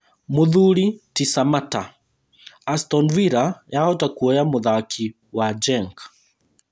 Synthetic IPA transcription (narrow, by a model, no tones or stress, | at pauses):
muðulitisamata | astɔnviɾajaɔtakuɛjamuðakʰi | wad͡ʒɛŋk